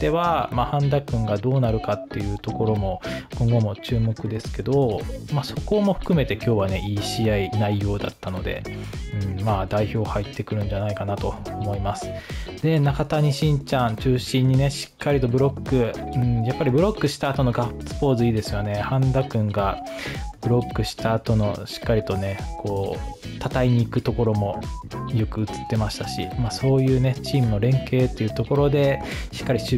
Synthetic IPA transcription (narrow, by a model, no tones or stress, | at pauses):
t̪ːe̞βamahãnd̪akɯ̟̃ŋɡad̪o̞ːnaɾɯ̟kat̪ːe̞jɯ̟ːt̪o̞ko̞ɾo̞mo̞kõ̞ŋɡo̞mo̞t͡ɕɨːmo̞kɯ̟d̪e̞sɨ̥ke̞d̪o̞maso̞ko̞mo̞ɸɯ̟̥kɯ̟me̞t̪e̞kʲo̞ːβane̞ʔiːɕiːainaijo̞ːd̪a̰t̪ːano̞d̪e̞̰ɯ̟̃ɴmaːd̪aiço̞ːhait̪ːe̞kɯ̟ɾɯ̟̃ɲd͡ʑanaikanat̪o̞ːmo̞imasɨ̥d̪̥e̞nakat̪aɲ̟iɕĩɲt͡ɕãɰt͡ɕɨːɕĩɲ̟ːine̞ɕi̥kːaɾʲit̪o̞bɯ̟ɾo̞kːɯ̟ɯ̟̃ɴjapːaɾʲibɯ̟ɾo̞kːɯ̟ɕi̥t̪aːt̪o̞no̞ɡapsɨ̥poːzɨiːd̪e̞sɨjo̞ne̞hãnd̪akɯ̟̃ŋɡa | b̥ɯ̟ɾo̞kːɯ̟ɕi̥t̪aːt̪o̞no̞ɕi̥kːaɾʲit̪o̞ne̞kʰoː | t̪at̪aiɲ̟iːkɯ̟t̪o̞ko̞ɾo̞mo̞jo̞kɯ̟ɯ̟t͡sɨ̥t̪ːe̞maɕi̥t̪aɕḭmaːso̞ːjɯ̟ːne̞t͡ɕiːmɯno̞ɾẽ̞ŋke̞ːt̪ːe̞jiɯ̟ːt̪o̞ko̞ɾo̞d̪e̞ɕi̥kːaɾʲit͡ɕ